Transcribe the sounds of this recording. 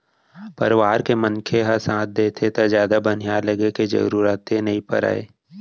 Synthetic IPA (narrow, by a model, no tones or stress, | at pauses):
pɐɾɪʋaːɾkemənkʰeɦɐsãːt̪̚d̪eːt̪ʰet̪azjaːd̪abɐnijaːɾlɐɡeked͡ʒɐ̰ɾuːɾət̪enɐɦĩpɐ̰ɾa̰ːḛː